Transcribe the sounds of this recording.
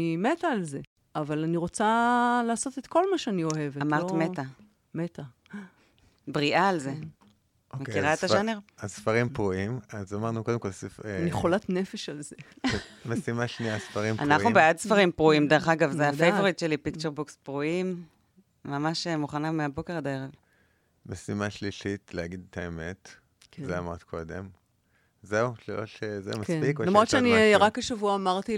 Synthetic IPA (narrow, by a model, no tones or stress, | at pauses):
met̪aːlze | avalaniʁot͡salaːso̞t̪et̪ko̞lmaʃeanioheveamaʁtmet̪a | met̪a | bʁiʔaːlze̞ | mekiʁaet̪aʃaneʁasfaʁimpʁuimazamaʁnukodemko̞lsfnjeχolat̪nefeʃalze | mesimaʃniasfaʁimpʔa̰nanubeadsfaʁimpʁuimd̪eʁeχaɡavzeafejvoʁit̪ʃelipikt͡ʃeʁbukspʁuimː | amaʃemuχanameabo̞ke̞ʁadaeʁev | mesimaʃliʃitleaɡid̪et̪ʰaemet | zeamaʁtkʰo̞d̪ḛm | zeuʃlilotʃezḛmaspikolamʁoʃeaniʁakbeʃavuaːmaʁti